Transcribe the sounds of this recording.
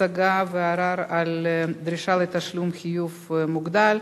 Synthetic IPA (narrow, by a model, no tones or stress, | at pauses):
aɡaveaɾaɾald̪ɾiʃalet̪ɐʃlumxijuvmuɡd̪al